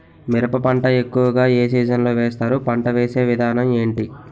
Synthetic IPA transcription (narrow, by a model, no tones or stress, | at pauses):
miɾɐpɐpɐɳʈɐe̞kːuʋɐɡaːeːsiːd͡ʒɐnlo̞ːʋeːst̪aːɾupɐɳʈɐʋeːse̞ːʋid̪ʱaːnɐme̞ːɳʈi